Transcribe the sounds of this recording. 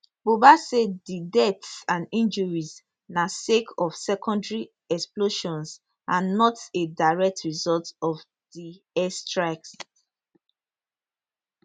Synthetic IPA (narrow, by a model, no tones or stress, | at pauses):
bobasedidɛtsãnĩnd͡ʒɔɹiz | nasekʰɔfsɛkʰɔ̃ndɹi | ɛksploʃɔ̃ns | ãnnːɔtedaɹɛk̚tɹizɔltɔv | di | ɛstɹak̚s